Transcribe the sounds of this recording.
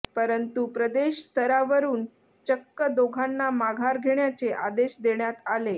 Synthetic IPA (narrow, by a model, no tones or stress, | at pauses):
pəɾənt̪upɾəd̪eɕst̪ʰəɾaʋəɾuːn | t͡ɕəkːəd̪oɡʱanːamaɡʱaɾɡʱeɳjat͡seʔad̪eɕd̪eɳjat̪ale